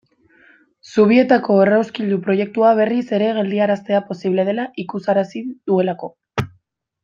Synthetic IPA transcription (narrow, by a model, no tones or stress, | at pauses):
suβ̞ie̞t̪ako̞e̞rawskiʎd̪upɾo̞je̞k̚t̪uaβ̞e̞rise̞ɾe̞ɣ̞e̞ld̪iaɾast̪e̞apo̞siβle̞ð̞e̞laʔikusaɾasid̪ue̞lako̞